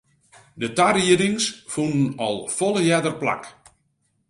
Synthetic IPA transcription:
dətariəɾdɪŋsfunən̩ɔlˠfɔləjɛdərpla̰k

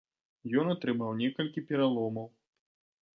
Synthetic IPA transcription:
jɔnat̪ɾɨmawnʲɛkɐlʲkʲipʲɛɾalˠɔmɐw

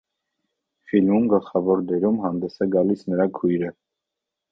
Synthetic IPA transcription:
filmumɡəlχɑvɔɾd̪ɛɾumɦɑnd̪ɛsɛɡɑlisnəɾɑkʰujɾə

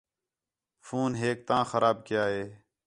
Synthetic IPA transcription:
fʰuːnɦeːk̚t̪ãːxəɾaːb̚kɪjaːɦeː

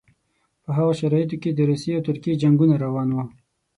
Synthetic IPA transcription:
pəɦaɣaʃaɾɑjɪt̪̬oked̪əɾuseawt̪ʊɾked͡ʒaŋɡunaɾawɑnwu

